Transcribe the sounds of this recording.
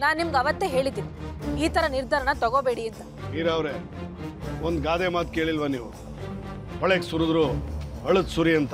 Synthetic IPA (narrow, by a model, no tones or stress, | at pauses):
naːnnimɐɡɐʋɐt̪ːeɦe̞ːɭid̪ːiːʋiiːt̪ɐɾɐniɾd̪ʱɐɾɐɳɐt̪ɔɡoːbe̞ːɽiɐnt̪ɐ | miːɾaːʋɾe | ond̪ɡaːd̪emaːt̪̚keːɭilʋɐniːʋu | ɦɔɭeksuɾud̪ɾuːɐɭud̪suɾiɐnt̪ɐ